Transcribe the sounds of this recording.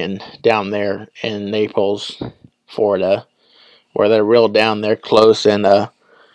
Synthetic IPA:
ɨ̃nd̥ãʊ̃nðə˞ɪ̃nːeɪpʰl̩ˠz̥ | flɔɹɨɾə | wʔə̰˞ðə˞ɹilˠdãʊ̃nðə˞kʰl̥oʊsɪ̃nə

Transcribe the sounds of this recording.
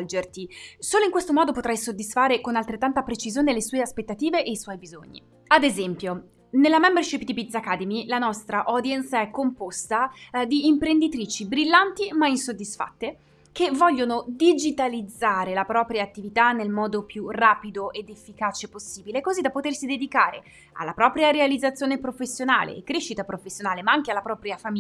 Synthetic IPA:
ld͡ʒert̪isoːloiŋkwest̪omɔːd̪opot̪ɾajsod̪ːisfaːɾekonalt̪ɾet̪ːant̪apɾet͡ʃizjoːnelesuːeaspet̪ːat̪iːveʔeiswɔjbizo̰ɲːḭ | ad̪ezɛmpjo | nelːamɛmbɛrʃipd̪ipit̪sakːad̪emilanɔst̪ɾaʔod̪jɛnt̪saɛkːompost̪ad̪iːmpɾend̪it̪ɾiːt͡ʃibɾilːant̪imainsod̪ːisfa̰t̪ːe | kevːɔʎːonod̪id͡ʒit̪alid̪zːaːɾelapɾɔːpɾjaːt̪ːivit̪anːelmɔːd̪opjuraːpid̪oʔed̪efːikaːt͡ʃeposːiːbilekozid̪ːapːot̪ersid̪ed̪ikaːɾḛ | a̰lːapɾɔːpɾjaɾealid̪zːat̪sːjoːnepɾofesːjona̰ːlḛːkːɾeʃːit̪apɾofesːjonaːlemaaŋk̟ealːapɾɔːpɾjafami

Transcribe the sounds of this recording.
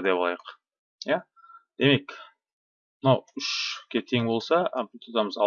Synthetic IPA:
d̪epɑlˠɑjəq | ja | d̪̥e̞me̞k | mnɑwʏʃkʲʰet̪ʰe̞ŋbo̞lˠsɑpt̪ʰot̪ɑməzɑ

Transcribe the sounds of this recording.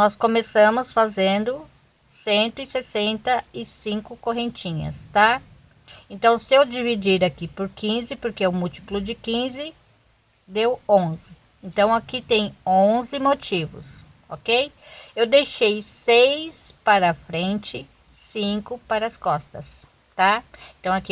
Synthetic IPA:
nɔskõmesɐ̃mʊsfazẽnd̪ʊ | sẽnt̪ʊɪsesẽnt̪ɐɪsĩŋkʊkoɦẽnt͡ʃĩɲɐ̰st̪a | ẽnt̪ɐ̃w̃sɪewd͡ʒivid͡ʒiɾakipʊɾkĩzɪpoɾkeʊmut͡ʃi̥plʊd͡ʒɪkĩzɪ | d̪ewõzɪ | ẽnt̪ɐ̃w̃akit̪ẽj̃õzɪmot͡ʃivʊ̰s | okejewd̪ejʃejsejspaɾɐfɾẽnt͡ʃɪ | sĩŋkʊpaɾɐskɔst̪ɐs | t̪aẽt̪ɐ̃w̃aki

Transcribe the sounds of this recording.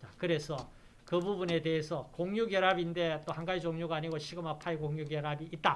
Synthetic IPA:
t͡ɕakɯɾe̞sʰʌ | kɯbubune̞te̞ɦesʰʌkoŋɲuɡjeɾabinde̞t͈ohaŋɡait͡ɕoŋɲuɡaːɲiɡoɕʰiɡɯmapʰajkoŋɲuɡjeɾabiʔit̚t͈a

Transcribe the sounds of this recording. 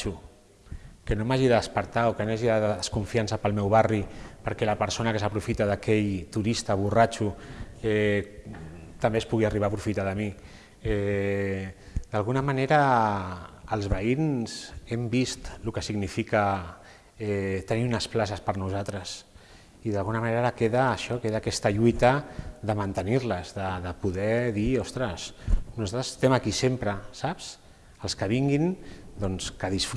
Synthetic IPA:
u | kənomaʒiðəðəspəɾt̪aokənaʒiðaəðəskuɱfiansəpəlˠmɛwβaripəɾkɛləpəɾsonəkəsəpɾufit̪aðakɛʎt̪uɾist̪əβ̞urat͡ʃuɛ | t̪ambespuɣiariβaːpɾufit̪aðəmi | ɛ | d̪alɣunəmaneɾə | əlˠzβəinzɛmbist̪lukəsiɣɡnifikə | ɛt̪əniunəsplas̬əspəɾnuzat̪ɾəs | iðəlˠɣunəmaneɾaɾəkeðəːʃɔkeðaːkɛst̪əʎujt̪əðəmənt̪ənirləzðəðəpuðɛðiɔst̪ɾəsnuzat̪ɾəzə̥st̪ɛmakisempɾəsaps | əlˠskəβ̞iŋɡind̪ɔnskəðisfɾ

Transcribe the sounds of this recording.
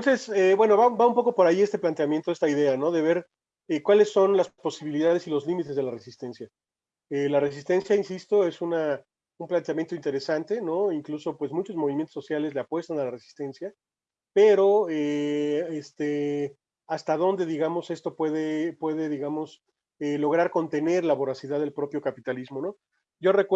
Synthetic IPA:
t̪onse̞sebwe̞no̞βabaũmpo̞kopo̞ɾajiest̪e̞plant̪eamjent̪o̞e̞st̪aiðe̞ano̞ðe̞β̞e̞ɾ | ekwale̞sːo̞nlaspo̞siβiliðað̞e̞silo̞zlimit̪e̞zðelare̞sist̪e̞nsja | elare̞s̬ist̪e̞nsjainsist̪o̞e̞suna | umplant̪eamjent̪oint̪e̞ɾesant̪e̞no̞iŋkluso̞pwe̞zmũt͡ʃo̞zmo̞β̞imjent̪ososjale̞zleapwe̞st̪analare̞si̥st̪e̞nsja | pe̞ɾo̞eest̪e | ast̪aðo̞nd̪e̞ðiɣamo̞se̞st̪o̞pwe̞ðe̞pwe̞ðe̞ðiɣamo̞s | elo̞ɣ̞ɾaɾko̞nt̪e̞ne̞ɾlaβoɾasiðaððe̞lpɾo̞pjo̞kapit̪alizmo̞no̞ | ɟ͡ʝo̞re̞k

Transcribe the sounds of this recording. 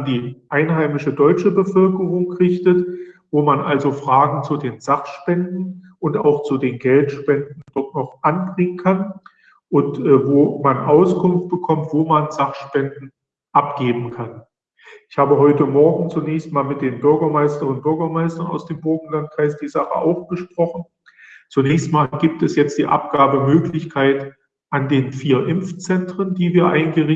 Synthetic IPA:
ndiːʔaɪnɦaɪmɪʃədɔʏt͡ʃəbəfœlkəʁʊŋʁɪçtətvoːmanʔalzofʁ̥aːɡŋ̩t͡sudeːnzaχʃpɛndn̩ | ʔʊnta̰ʊxt͡sudeːnɡɛltʃpɛndn̩d̥ɔtnɔχʔanbʁɪŋənkʰan | ʔʊntʔɛːvoːmanʔaʊskʰʊnft̚b̥əkʰɔmtv̥oːmanzaχʃpɛndn̩ | ʔapɡ̥eːbm̩kʰan | ʔɪçhaːbəɦɔʏtəmɔɐɡŋ̩t͡sunɛːçstmaːlmɪt̚d̥eːnbʏɐɡɐmaɪstɐnʊnt̚b̥ʏɐɡɐmaɪstɐna̰ʊsd̥eːmboɐɡŋ̩lant̚kʁ̥aɪsd̥iːzaχə̰ʔa̰ʊxb̥əʃpʁ̥ɔχn̩ | t͡sunɛːçstmaːlɡiːp̚tɛsjɛt͡std̥iːʔa̰p̚ɡ̥aːbəmøːklɪçkʰaɪt | ʔandeːnfiːɐʔɪmft͡sɛntʁ̥əndiːviːɐʔaɪnɡəʁɪ

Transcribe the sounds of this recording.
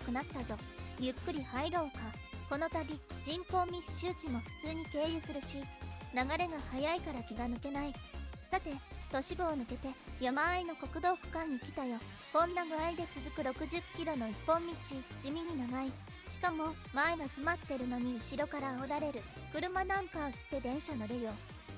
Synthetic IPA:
kɯ̟nat̪ːazo̞jɯ̟kːɯ̟ɾʲihaiɾo̞ːka | ko̞no̞t̪abʲid͡ʑĩmpõ̞mːʲi̥ɕɨːt͡ɕimo̞ɸɯ̟̥t͡sɨːɲ̟ike̞ːjɯ̟sɨɾɯ̟ɕinaɡaɾe̞ɡahajaikaɾakʲiɡanɯ̟ke̞naisat̪e̞t̪o̞ɕiɡo̞ːnɯ̟ke̞t̪e̞jomaːino̞ko̞kɯ̟d̪o̞ːkɯ̥kãɲ̟ːikʲi̥t̪ajo̞ | kõ̞nːaɡɯ̟aid̪e̞t͡sɨzɨkɯ̟ɾo̞kɯ̟ʑɨkʲːiɾo̞no̞ipːõ̞mːʲit͡ɕid͡ʑimʲiɲ̟inaɡai | ɕi̥kamo̞ | maeɡat͡sɨmat̪ːe̞ɾɯ̟noɲ̟iɯ̟ɕiɾo̞kaɾaoɾaɾe̞ɾɯ̟ | kɯ̟ɾɯ̟manãŋkat̪ːe̞d̪ẽ̞ɰ̃ɕanoɾejo̞

